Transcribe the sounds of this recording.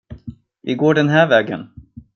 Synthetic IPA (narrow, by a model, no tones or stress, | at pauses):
ʔɪɡoːɖɛnɦæːɾvɛːɡə̰n